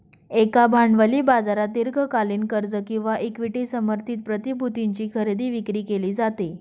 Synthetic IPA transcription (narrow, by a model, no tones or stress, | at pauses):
ekabʱaɳɖʋəliːbad͡zaɾat̪iɾɡʱəkaliːnkəɾd͡zəkĩw̃ʋaʔekʋiʈisəməɾt̪ʰiːt̪̚pɾət̪ibʱut̪iɲt͡ɕiːkʰəɾed̪iːʋikɾiːkeliːd͡zat̪e